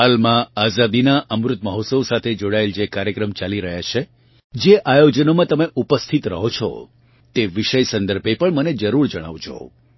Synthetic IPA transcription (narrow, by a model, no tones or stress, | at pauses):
ɦalmãazad̪inaʔəmɾʊt̪məɦot̪səʋsat̪ʰed͡ʒoɽaeld͡ʒekaɾjəkɾəmt͡ʃaliɾəɦjat͡ʃʰe | d͡ʒeʔajod͡ʒənomãt̪əmeʔupəst̪ʰit̪ɾəɦot͡ʃʰɔ̰ | t̪eʋiʃəjsənd̪əɾbʱepəɳməned͡ʒəɾuɾd͡ʒəɽ̃a̰ʋd͡ʒo̰